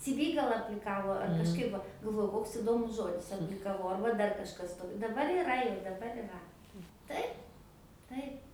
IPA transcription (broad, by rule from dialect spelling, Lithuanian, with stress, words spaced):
t͡sʲɪ ˈʋʲiː ˈɡɐlˠ ɐpʲlʲɪˈkɑːʋoː ɐr kɐʃˈkɐɪp ʋɐ ɡɐlˠˈʋoːjʊ ˈkoːks ɪˈdoːmʊs ˈʒoːdʲɪs ɐpʲlʲɪkɐˈʋɐʊ ˈɐrbɐ ˈdɐr kɐʃˈkɐs toː dɐˈbɐr ɪˈrɐ jɛʊ dɐˈbɐr ɪˈrɐ ˈtɐɪp ˈtɐɪp